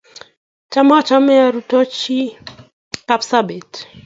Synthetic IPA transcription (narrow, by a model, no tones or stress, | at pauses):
t͡ʃamat͡ʃamɛaɾutɔt͡ʃi | kapsabɛt